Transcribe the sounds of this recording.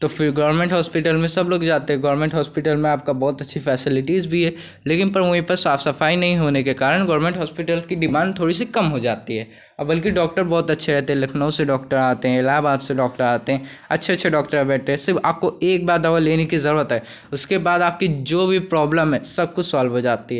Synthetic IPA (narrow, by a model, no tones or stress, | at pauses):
t̪oːfɪɾɡɔːʋəɾmẽɳʈɦɔːspɪʈəlmẽsɐbloːɡd͡ʒaːt̪eɦɛ̃ɡɐːɾmẽːɳʈɦɔːspɪʈəlmẽaːp̚kabɔːt̪ɐtːʃʰifɛːsɪlɪʈizbʱiɦɛ | leːkɪnpɐɾmũipɐɾsaːfsɐfaːinɐɦĩɦoːnekekaːɾəɳɡɔːɾmẽɳʈɦɔːspɪʈəlkiɖɪmãːnɖt̪ʰoːɽis̬ikɐmɦod͡ʒaːt̪iɦɛː | ɔbɐlk̬ɪɖɔːk̚ʈəɾbɔːt̪ɐtːʃʰeɾɛɦt̪eɦɛ̃lɐkʰnõseɖɔːkʈəɾaːt̪eɦɛ̃laːbaːd̪seɖɔːk̚ʈəɾaːt̪eɦɛ̃ːɐ̰tːʃʰeɐtːʃʰeɖɔːkʈəɾɦɛbɛːʈ̪eɦɛ̃sɪɾa̰ːp̚koeːk̚baːɾd̪aʋaleːnekizɐɾuːət̪ɦɛ | ʊskebaːd̪aːp̚kid͡ʒoːbʱipɾɔːbləmɦɛsɐb̚kʊt͡ʃʰsaːlbɦod͡ʒaːt̪iɦɛː